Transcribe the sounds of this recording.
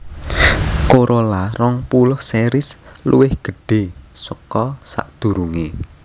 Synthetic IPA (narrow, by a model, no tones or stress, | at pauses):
koɾʔolarɔŋpulʊhseɾɪslṵwɪhɡ̥ə̤ɖ̥e̤səkɔsa̰ʔd̪̥ṳɾuŋe